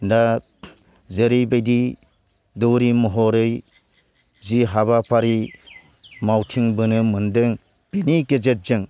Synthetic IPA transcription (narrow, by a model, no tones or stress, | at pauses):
nda | zeɾɯjbejdi | dɯwɾimɔɦɔɾɯj | ziɦaβapʰaɾi | mawtʰiŋbɯnɯmɯndɯŋ | b̥iniɡezet̚zɯŋ